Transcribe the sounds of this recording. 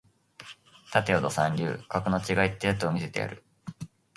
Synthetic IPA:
t̪at̪e̞od̪o̞sãɲʲɾʲɯ̰ːkakɯ̟no̞t͡ɕiɡait̪ːeat̪oːmʲise̞t̪e̞ja̰ɾɯ̟

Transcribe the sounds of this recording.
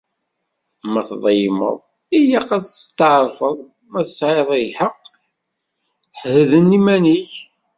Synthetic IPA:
mæθðˤəjmə̰ðˤ | ijæqæðst̪ːəʕɾˤfəðˤ | mæθəsʕeðˤæjħəqː | ħhəðənːimæniç

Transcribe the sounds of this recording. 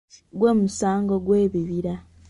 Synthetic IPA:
ɡwe̞ːmusaːŋɡoɡwe̞ːβiβiɾa

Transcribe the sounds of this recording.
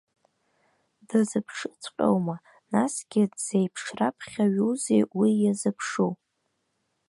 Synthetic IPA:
dazɨpʰʂɨt͡sʷʰʼqʲʼo̰wma | nasɡʲɪdz̥ejpʰʂrapʰχʲaɥuzejwijazɨpʰʂu

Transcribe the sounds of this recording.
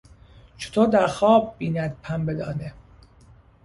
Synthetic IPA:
t͡ʃʰo̥t̪ʰoːɾd̪æɾxɒːb̚ːiːnæd̪̚pʰæmbed̪ɒ̰ːne

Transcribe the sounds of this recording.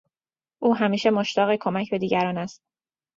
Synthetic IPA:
ʔuːɦæmiːʃe̞mo̞ʃt̪ɒːɣekʰo̞mæcʰbe̞d̪iːɟæɾɒːnæst̪̚

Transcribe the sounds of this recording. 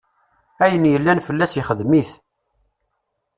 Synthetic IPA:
æjənjəlːænfəlːæsjiχəðmiθ

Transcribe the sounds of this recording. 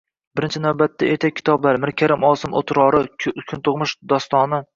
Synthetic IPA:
bɪɾɪnt͡ʃʰɪnawbat̪ʰːaet̪ʰakʲʰːɪ̥t̪ʰɒblaɾmɪɾkʲʰaɾɪmɒːsɪmo̰t̪ʰɾɒːɾɪkʲʰʊnt̪ʰʊʁmʊʃd̪ɒst̪ɒːnɪ

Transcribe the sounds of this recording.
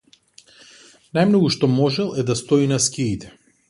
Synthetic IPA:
najmnɔɡuʃt̪ɔmɔʒɛlˠɛd̪ast̪ɔinaskʲiːt̪ʰɛ̥

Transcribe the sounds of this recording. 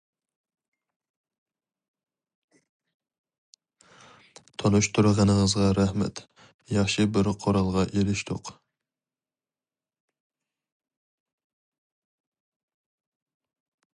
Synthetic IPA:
t̪ʰonuʃt̪ʰuɾʁənɨŋəzʁɑɾæhmɛ̰t̪ | jɑχʃibɪɾqʰoɾɑlˠʁɑʔelɪʃt̪ʰʊ̰q

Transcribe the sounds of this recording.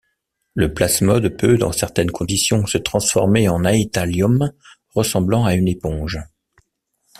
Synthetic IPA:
ləplasmɔd̪pʰød̪ɑ̰̃sɛʁt̪ɛnkʰɔ̃d̪isjɔ̃sət̪χɑ̃sfɔ̰ʁmeɑ̃nait̪aljɔm | ʁəsɑ̃blɑ̃aynepɔ̃ʒ

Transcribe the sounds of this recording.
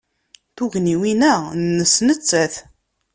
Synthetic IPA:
θuʝniwinænːəsnət͡sːæθ

